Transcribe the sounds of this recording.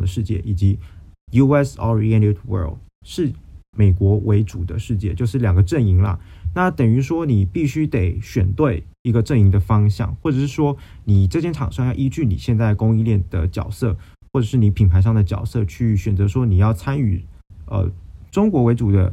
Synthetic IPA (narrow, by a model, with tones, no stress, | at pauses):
d̪ə˩ʂɻ̩˥˧t͡ɕjɛ̰˥˩ʔi˨˩t͡ɕi˧˥ju˥ɛ˥sɔ˧˥ɹi˧ɛ˥ni˥tʰwɜ̰˞˥˩l | ʂɻ̩˥˩me˨˩ɪkwɔ˧˥wʔe˧˥ɪʈ͡ʂu˨˩d̪ə̰˦ʂɻ̩˥˧t͡ɕjɛ˥˧t͡ɕjo˥˧ʊʂɻ̩˥˩ljɑ˨˩ŋɡə˦ʈ͡ʂə˥˩ni˧˥ŋlɐ̰˧na˥˩t̪ə˨˩ŋy˧˥ʂwɔ˥ni˨˩pi˥˩ɕy˥t̪e˨˩ɪɕɥɛ˨˩nt̪we˥˩ɪ | i˧˥ɡə˧ʈ͡ʂə˥˩ni˧˥ŋd̪ə˨fɑ˥ŋɕjɑ̰˥˩˦ŋxwɔ˥˩ʈ͡ʂɤ˨˩ʂɻ̩˥˩ʂwɔ˥ | ni˨˩ʈ͡ʂɤ˥˧t͡ɕjɛ˥˩nʈ͡ʂʰɑ˨˩ŋʂɑ˥˧ŋjɑ˥˩ʊi˥t͡ɕy˥˩ni˨˩ɕjɛ˥˧nt͡sa˥˩ɪkʊ˥ŋi˥˧ljɛ˥˩nd̪ə˩t͡ɕjɑ̰˨˩ʊsɤ˥˧ | xwɔ˥˩ʈ͡ʂɤ˨˩ʂɻ̩˥˩ni˧˥pʰi˨˩npʰa˧ɪʂɑ˥˩ŋd̪ə˩t͡ɕjɑ̰˨˩ʊsɤ˥˧t͡ɕʰy˥˩ɕɥɛ˨˩nt͡sɤ˧˥ʂwɔ˥ni˨˩jɑ˥˩ʊt͡sʰa˥ny̰˨˩ | ə̰˧˩ʈ͡ʂʊ˥ŋkwɔ˧˥we˧˥ɪʈ͡ʂu˨˩d̪ə̰˦